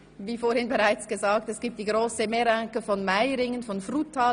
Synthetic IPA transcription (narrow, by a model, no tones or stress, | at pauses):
viːfoːɾhɪnbeʁaɪt͡sɡ̥əzaːk̚tɛsɡ̥iːp̚td̥iːɡʁoːsəmeɾaŋkəfɔnmaɪɾɪŋənfɔnfrutʰːaː